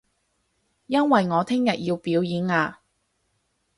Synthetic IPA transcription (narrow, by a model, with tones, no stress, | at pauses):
jɐ˥nwɐ˨jŋɔː˨˧t̪ʰɪ˥ŋjɐ˨t̚ji˧wpiː˨˥wjiː˨˥naː˧